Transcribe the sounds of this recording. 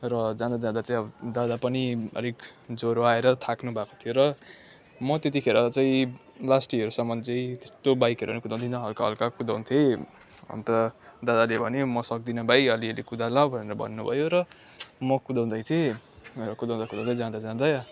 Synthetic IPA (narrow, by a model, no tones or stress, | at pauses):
rʌd͡zãd̪ad͡zãd̪at͡saĩʌbʌd̪ad̪apʌniʌ̰ɾikd͡zoɾoaeɾʌt̪ʰaknubʱakot̪ʰijoɾʌ | mʌt̪et̪̬ikʰeɾʌt͡saĩ | lasʈiɦʌɾusʌmʌnd͡zejt̪est̪obajkʌɾuʌnikud̪aw̃nt̪ʰint̪ʰɦʌlkaɦʌ̰lkakud̪aw̃nt̪ʰe | ʌ̰nt̪ʌd̪ad̪alebʱʌnemʌsʌk̚d̪inʌbajʌlielikud̪ʱalawbʱʌneɾʌbʱʌ̰nːubʱʌ̰joɾʌ | mʌkud̪aw̃d̪ʌjt̪ʰierʌkud̪ãw̃d̪akud̪aw̃d̪ãd͡zãd̪ad͡zãd̪aj